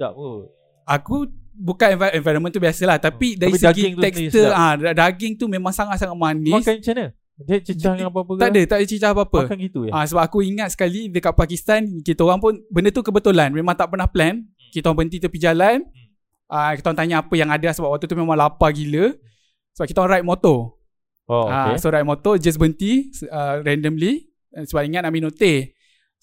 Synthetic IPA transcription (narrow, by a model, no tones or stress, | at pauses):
a | akubukanɛvaɛ̃vajɾənmə̃nt̪ubiasəlaht̪apidaɾisəɡiŋɛkst̪əadadaɡɪŋt̪umẽmãŋsaŋat̪̚saŋat̪̚manɪsant͡ʃanə | dt͡ʃət͡ʃahŋappət̪aʔdət̪aʔdət͡ʃət͡ʃahapapəkanɡit̪uãsəbap̚akuiŋat̪̚sə̥kalidəkaʔ̚pakist̪ankit̪aoɣaŋpʊnbəndət̪ukəbət̪ulanmẽmãŋt̪aʔpənahplɛn | kit̪aoaŋbənt̪̬it̪upid͡ʒalan | ʔakit̪aoaŋt̪aɲaapəjaŋadaasəbapwak̚t̪ut̪̬umemãŋlapaɡilə | səbap̚kit̪aoɣaŋɾajt̪̚mot̪o | oaesoɾajt̪̚mɔt̪od͡ʒas̬bənt̪iəɾɛndəmli | səbap̚iŋat̪̚naʔminot̪eh